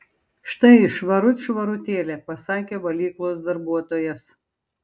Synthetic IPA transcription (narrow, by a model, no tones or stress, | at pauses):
ʃt̪ɐɪʃʋɐɾʊt̪ʲʃʋɐɾʊt̪ʲeːlʲeːpɐsɑːkʲeːʋɐlʲiːklˠoːs̬d̪ɐɾbuɔt̪oːjɛs